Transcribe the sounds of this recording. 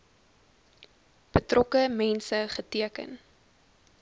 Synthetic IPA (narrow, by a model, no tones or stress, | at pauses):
b̥ətrʔɔkəmɛnsəχətiəkə̰n